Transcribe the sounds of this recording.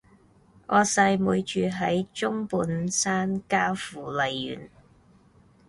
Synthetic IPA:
ʔɔː˧sɐ˧jmuː˨˧jt͡ʃyː˨˧ɦɐ˨˥jt͡ʃʊ˥ŋpuː˨˧nsaː˥nkaː˥wfuː˨˩lɐ˨˧jːy̰ː˨n

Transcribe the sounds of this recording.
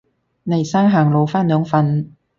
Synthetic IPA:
nɐ˨˩jsaː˥ŋɦaː˨˩ŋlo˨˧wfaː˥nlœː˨˧ŋfɐ˧n

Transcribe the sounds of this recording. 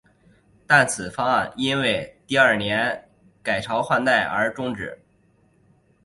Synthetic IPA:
t̪a˥˩nt͡sʰɹ̩˨˩fɑ˥˩ni˥nwe˥˧ɪt̪i˥˧ɐ˞˥˩njɛ˧˥n | ka˨˩ɪʈ͡ʂʰɑ˧˥ʊxwa˥˧nt̪a˥˩ɪʔə̰˞˧˥ʈ͡ʂʊ˥ŋʈ͡ʂɻ̩˨˩˦

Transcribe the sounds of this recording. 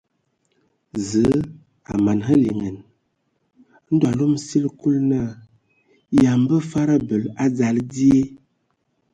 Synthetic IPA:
zə˨˦ | a̰˨ma˨nɦə˦li˨ŋə˨n˦ | n̩˦da˨lo˦msi˦lku˦lna˦˨ | ja˨m˦bə˦fa˦ɾa˦bə˨la˦d͡za˨ldi˦e˦

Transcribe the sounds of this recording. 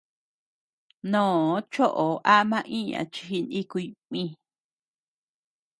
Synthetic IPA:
nõː˨˦t͡ʃo˦ʔo˨ʔa˦mã˧ʔĩ˦ɲã̰˨t͡ʃi˧hi˧ni˦ku˧mĩ˧˦

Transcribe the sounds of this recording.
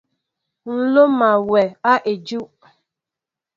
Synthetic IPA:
n̩˨lo˦ma˨we˨a˦ʔe˨d͡ʒu˦

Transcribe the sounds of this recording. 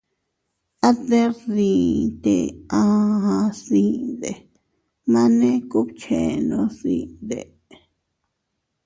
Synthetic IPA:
a˦ðe˦ðiː˨t̪ḛ˧ã˧hã˧sĩ˦d̪e˨ | mã˦nẽ˦ku˦βt͡ʃʰe˨nõ˧sḭ̃˦˧d̪e˨

